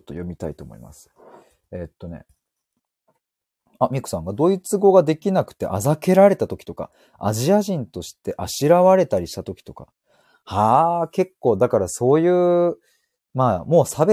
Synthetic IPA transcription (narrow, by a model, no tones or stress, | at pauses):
ot̪ːo̞̰jomʲit̪ait̪o̞ːmo̞̰ḭma̰sɨ̥ | et̪ːo̞ne̞̰ | amʲiko̥sãŋɡad̪o̞ːit͡sɨɡo̞ɡad̪e̞kʲinakɯ̟̥t̪e̞̰ʔazake̞ɾaɾe̞t̪at̪o̞kʲi̥t̪o̞ka̰ | a̰ʑiaʑĩnt̪o̞ɕi̥t̪e̞ʔaɕiɾaβaɾe̞t̪aɾʲiɕi̥t̪at̪o̞kʲi̥t̪o̞ka̰ | hake̞kːo̞ːd̪akaɾaso̞ːjɯ̟ː | maːmo̞ːsabe